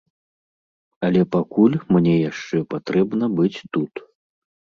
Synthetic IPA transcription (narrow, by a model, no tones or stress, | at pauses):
ɐlʲɛpakulʲmnʲɛjaʂt͡ʂɛpat̪ɾɛbnɐbɨt͡sʲt̪ut̪